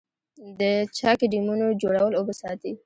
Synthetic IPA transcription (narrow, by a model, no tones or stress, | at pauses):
d̪ət͡ʃɑkiɖimunod͡ʒoɽawəlobəsɑt̪i